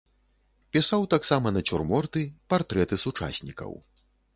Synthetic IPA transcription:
pʲisawt̪aksamɐnɐt͡sʲurmɔrt̪ɨpart̪ɾɛt̪ɨsut͡ʂa̰sʲnʲikɐ̰w

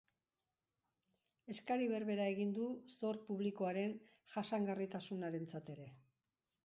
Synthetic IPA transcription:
e̞skaɾiβe̞ɾβe̞ɾae̞ɣind̪uso̞ɾpuβ̞liko̞aɾe̞n | ʝasaŋɡarit̪asunaɾe̞nt͡sat̪e̞ɾe̞

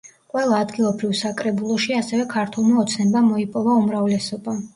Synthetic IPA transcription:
qʼwɛlˠaːd̪ɡilˠɔbɾivsakʼɾɛbulˠɔʃiasɛvɛkʰaɾt̪ʰɛlˠmaɔt̪sʰnɛbamɔipʼɔvaumɾavlɛsɔba

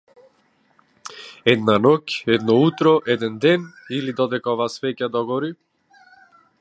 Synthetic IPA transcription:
ɛd̪nanɔcɛd̪nɔut̪ɾɔʔɛd̪ɛnd̪ɛnilid̪ɔd̪ɛkaɔvaːsvɛcad̪ɔɡɔɾi

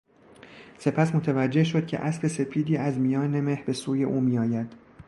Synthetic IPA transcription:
se̞pʰæsmo̞t̪ʰævæd͡ʒːe̞hʃo̞d̪̥̚cʰe̞̰ʔæsbe̞se̞fiːd̪iːæzmijɒːneme̞hbe̞suːje̞ʔuːmiːɒːjæd̪̥

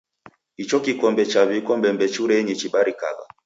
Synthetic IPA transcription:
it͡ʃɔkikɔmbɛt͡ʃaβikɔmbɛmbɛt͡ʃuɾɛɲit͡ʃiɓaɾika̰ɣa̰

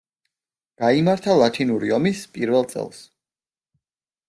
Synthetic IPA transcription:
ɡ̥aimaɾt̪ʰalˠat̪ʰinuɾiɔmispʼiɾvɛlˠt̪sʼɛ̰lˠs

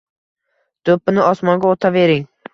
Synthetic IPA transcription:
d̪̥opːɪnɪʔɒsmɒŋɡʲaot̪ʰave̞ɾɪŋ

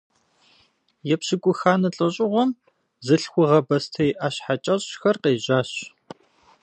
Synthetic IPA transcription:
jɛpɕɪkʷʼʊxaːnɐɬʼɐɕʼɪʁʷɔm | zɨɬxʷʊʁɐbɐstʰɐjʔaːɕħat͡ʃʼɐɕʼɕxɐrqeːʑaːɕ

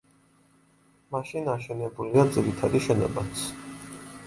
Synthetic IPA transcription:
maʃinaʃɛnɛbuliad̪ziɾit̪ʰad̪iʃɛnɔ̰bat̪sʰ

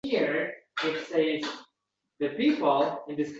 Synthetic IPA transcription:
iɹɪʈseɪz | d̪ɨpiːpəl̩ˠɪ̃nd̪ɪskʰ

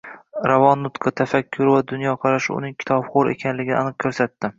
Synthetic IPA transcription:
ɾavɒnːʊt̪qʰɨt̪ʰafakʲʰːʊɾɪvad̪ʊnjɒqʰɑɾaʃɪʊ̰nɪŋkʲʰɪ̥t̪ʰɒbχoɾe̞̰kʲʰanlɪɡʲɪnɪ̰a̰nɨq̚kʰɵɾsat̪ːɪ

